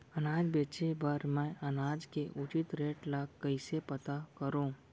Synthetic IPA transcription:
ɐnaːd͡ʒbeːt͡ʃebəɾmɛ̃ʔɐnaːd͡ʒkeʔʊt͡ʃɪt̪ɾeːʈlaɡkːəɪsepɐt̪akəɾõː

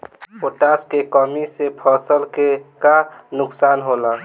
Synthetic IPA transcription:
poʈaskekɔmisepʰəsəlkekanʊksaːnɦola

